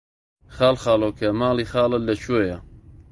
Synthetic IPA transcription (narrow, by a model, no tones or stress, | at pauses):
xaːlˠxɑːloːkʰɐmaːliːxaːlɐlɐt͡ʃʰujɐ